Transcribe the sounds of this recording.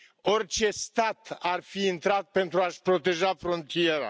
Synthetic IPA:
o̞rt͡ʃe̞st̪at̪arfiːnt̪ɾat̪̚pe̞nt̪ɾuaʃpɾo̞t̪e̞ʒafɾo̞nt̪ie̞ɾa̰

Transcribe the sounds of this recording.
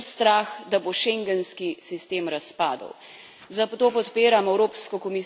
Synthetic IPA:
st̪ɾaːxd̪aboʃɛŋɡənskisist̪eːmɾaspaːd̪ə̰w | zat̪oːpɔt̪peːɾamɛwɾoːpskɔkɔmi

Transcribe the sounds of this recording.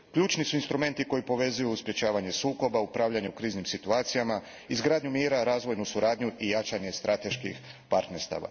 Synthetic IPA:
kʎuːt͡ʃnisuinst̪ɾume̞nt̪iko̞jipo̞ʋe̞zujuːspɾje̞t͡ʃaːʋaɲe̞suːko̞baupɾaʋʎaɲeukɾiːznimsit̪uaːt̪sijama | izɡɾaːd̪ɲumiːɾaɾaːzʋo̞jnusuɾaːd̪ɲuʔijat͡ʃaɲe̞st̪ɾat̪e̞ʃkḭx | paɾt̪ne̞ɾst̪a̰ːʋa̰

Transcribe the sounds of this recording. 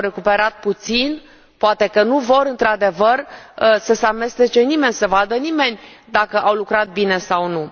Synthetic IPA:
ɾe̞kupe̞ɾat̪̚put̪sin | poat̪e̞kənuvo̞ɾɨnt̪ɾad̪e̞vərsəseame̞st̪et͡ʃe̞nime̞nʲsəvad̪ənime̞nʲ | d̪akəʔawlukɾat̪̚bine̞sawnu

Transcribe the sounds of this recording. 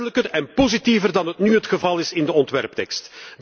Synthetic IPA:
ələkərɛnpozitivərdɑnɦətnyɦətxəvɑlˠɪsɪndəɔntʋɛrptɛkstd

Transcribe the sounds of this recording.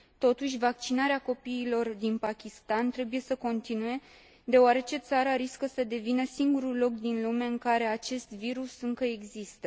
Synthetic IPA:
t̪o̞t̪uʃ̬ʲvak̚t͡ʃinaɾeako̞piːlo̞rd̪inpakʲist̪ant̪ɾe̞buje̞səko̞nt̪inuje̞ | d̪e̞oaɾe̞t͡ʃe̞t̪saɾaɾiskəsəd̪e̞vinəsiŋɡuɾulo̞kd̪inlumeaɨŋkaɾe̞at͡ʃe̞st̪viɾusɨŋkəe̞ɡzist̪ə

